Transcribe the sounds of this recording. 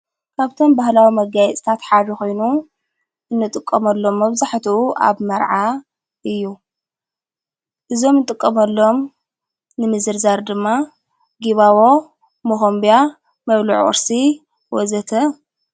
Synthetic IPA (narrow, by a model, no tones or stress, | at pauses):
kʰaβt̪ʰo̞mbahlawimɐɡajɛt͡sʼt̪ʰat̪ħaɾixo̞jnu | ʔɨnːɨt̪ʼɨkʼːɐmɐlːo̞mːɐβzaħt̪ʰuʔuʔa̰βmɐɾʕa | ʔɨjːu | ʔɨzo̞mnɨt̪ʼɨkʼːɐmɐlːo̞m | nɨmɨzɨɾzaɾd̪ɨmːa | ɡiβawo | moxombija | mɐβluʕʔʼɨ̰ɾsi | wɔzɐt̪ʰɐ